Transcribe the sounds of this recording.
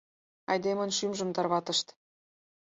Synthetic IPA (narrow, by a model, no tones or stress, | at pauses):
ɑjd̪emə̆nʃymʒə̆mt̪ɑrβɑt̪ɤ̆ʃt̪